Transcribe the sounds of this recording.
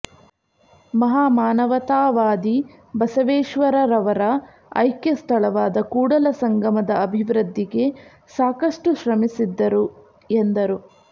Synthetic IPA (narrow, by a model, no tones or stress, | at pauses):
mɐɦaːmaːnɐʋɐt̪aːʋaːd̪i | bɐsɐʋeːʃʋɐɾɐɾɐʋɐɾɐ | ɐ̰jkjɐst̪ʰɐɭɐʋaːd̪ɐkuːɽɐlɐsɐŋɡʱɐmɐd̪ɐɐbʱiʋɾɨd̪ːiɡe̞ | saːkɐʂʈuʃɾɐmisid̪ːɐɾu | end̪ɐɾu